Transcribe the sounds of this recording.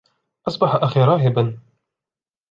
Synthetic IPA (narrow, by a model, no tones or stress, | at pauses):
ʔɑsˤbɑħaʔaxiːɾˤɑːɦɪban